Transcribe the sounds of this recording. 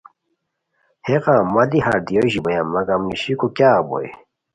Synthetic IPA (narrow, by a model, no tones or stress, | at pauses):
heqãmːɐliɦaɾd̪ijoʑibɐjamːɐɡamiɕikokjaːbo̰j̰